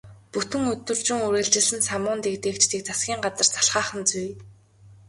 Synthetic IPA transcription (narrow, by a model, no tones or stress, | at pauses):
put̪ɘ̆ŋɵt̪ːɵ̆rt͡ɕɪ̆ŋuɾeːɮt͡ɕɪ̆ɮɘ̆nsamʊːnt̪ekt̪eːkt͡ɕʰt̪eːk̚t͡sʰasɡʲiːŋɢat͡sə̆r̥t͡sʰḁɬχaːχə̆nt͡suj